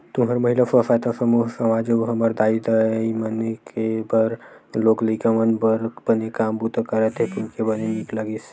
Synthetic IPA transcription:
t̪uɦəɾməɦilafəsaːjt̪asəmuɦsəmaːd͡ʒeoɦəməɾd̪aːid̪əimənekebəɾloːklikamənbəɾb̥ənekaːmbut̪kəɾət̪ʰekunkebənenikləɡis

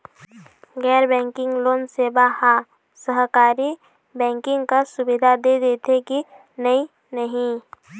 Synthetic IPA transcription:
ɡɛːɾbɛ̃ːŋkɪ̃ŋɡloːnseːbaha | səɦkaːɾi | bɛ̃ːŋkɪ̃ŋɡkasʊbɪd̪ʱad̪ed̪eːt̪eki | nəi | nəɦĩ

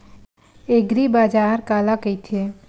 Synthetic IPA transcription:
eɡɾibaːd͡ʒaːɾkaːlakəjt̪ʰie

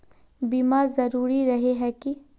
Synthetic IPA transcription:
biːmaːɾzɐɾuːɾiɾɐɦeɦɛki

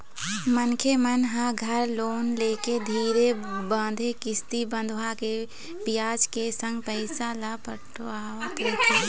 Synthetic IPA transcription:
mənkʰemənɦãɡʱəɾloːnleːked̪ʱiːɾebə̃ːd̪ʱekɪst̪ibə̃nd̪ʱʋake | pijaːd͡ʒkesə̃ŋɡ̚pəɪsalapəʈʰoaːot̪eːkʰa

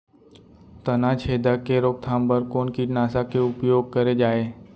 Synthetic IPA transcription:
t̪ənãt͡ʃʰeːd̪ʱakeɾoːk̚t̪ʰãːmbəɾkoːnkinaːsakeʊpjoːɡ̚kəɾed͡ʒaːeː

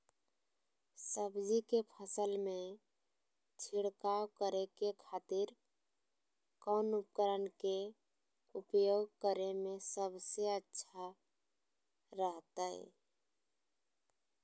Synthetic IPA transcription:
səbd͡ʒikepʰəsəlme | t͡ʃʰiɽkawkəɾekekʰat̪iɾ | kənup̚kəɾənke | upjoɡ̚kəɾemesəbseətːʃʰa | ɾəɦt̪əɛ̰

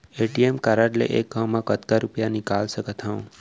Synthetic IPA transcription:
eʈiemkaɾaʈlḛʔek̚ːawmãkət̪kaɾupjanikalsəkət̪ʰaũ

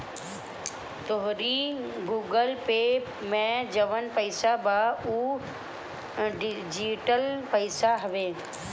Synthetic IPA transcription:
t̪oɦɾiɡuːɡəlpeː | mẽd͡ʑɐʋənpɐɪsabauː | ɖɪd͡ʑiʈəlpɐɪsaɦɐʋeː

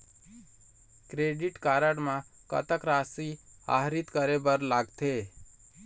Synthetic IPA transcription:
kɾeɖiʈkaɾəɽmãkə̰t̪əkɾasia̰ɦɾit̪kəɾebəɾlaɡt̪ʰe

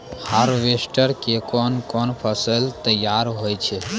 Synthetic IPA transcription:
haɾʋesʈəɾkekɔnkɔnpʰəsəlt̪əjaɾɦojt͡ʃʰɛ

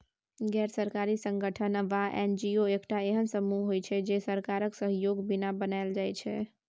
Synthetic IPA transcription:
ɡɛːɾsəɾkaɾisə̃ŋɡəʈʰənʋaʔend͡ʒioekʈaeɦənsəmuɦɦojt͡ʃʰɛd͡ʒesəɾkaɾəksəɦjoɡbinabənaɪld͡ʒajt͡ʃʰɛ

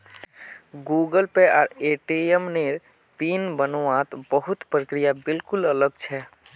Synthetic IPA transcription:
ɡuɡəlpeɔ̰ːɾeʈiemneɾ | pinbənːãt̪bəɦut̪pɾəkɾijabɪlkulələɡ̚t͡ʃʰɛ

